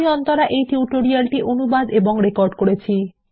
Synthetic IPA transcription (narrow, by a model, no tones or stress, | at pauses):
iɔnt̪ɔɾaʔejʈiuuʈoɾialʈiʔonubad̪eboŋɾekɔɾɖkoɽet͡ɕʰi